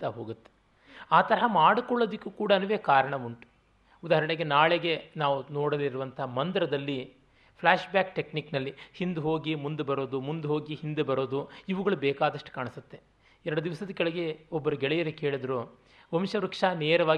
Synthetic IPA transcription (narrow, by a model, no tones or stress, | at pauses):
t̪ɐɦoːɡut̪ːe | aːt̪ɐɾɐɦɐmaːɽukɔɭːod̪ɐkːukuːɽɐnuʋeːkaːɾɐɳɐʋuɳʈu̥ | ud̪aːɦɐɾɐɽeɡenaːɭeɡe̞naːʋunoːɽɐliɾuʋɐnt̪ɐɦɐmɐnd̪ɐɾɐd̪ɐlːi | pʰlaːʂbjaːkʈekniknɐlːihind̪uɦoːɡimund̪ubɐɾoːd̪umund̪uɦo̞ːɡihind̪ebɐɾoːd̪uiʋuɡɐɭubɛːkaːd̪ɐʂʈu̥kaːɳisut̪ːe̞ | ɛɾɐɽɐd̪iʋɐsɐd̪ɐkɛɭɐɡe̞ɔbːɐɾuɡɛɭɛjɐɾeke̞ːɭid̪ɐɾoː | ʋɐmʃɐɾukʂaneːɾɐʋaː